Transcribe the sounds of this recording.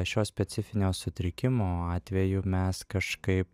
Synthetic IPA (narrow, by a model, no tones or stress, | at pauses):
ʃʲoːsʲpʲɛt̪ʲɪfʲɪnʲoːsʊt̪ʲɾʲɪkʲɪmoːɑːt̪ʲʋʲɛjʊmʲɛskɐʃkɐɪp